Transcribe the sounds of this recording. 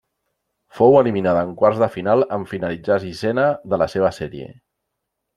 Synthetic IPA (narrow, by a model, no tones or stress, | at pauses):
fowəliminaðəːŋkwarzðəfinalˠəɱfinəlid͡zasisɛnəðələseβ̞əsɛɾiḛ